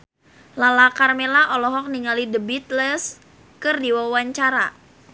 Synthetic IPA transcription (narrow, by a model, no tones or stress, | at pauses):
lalakarmelaʔɔlɔɦɔk̚niŋalidəbit̪̚ləs | kɨrdiwawaɲt͡ʃaɾa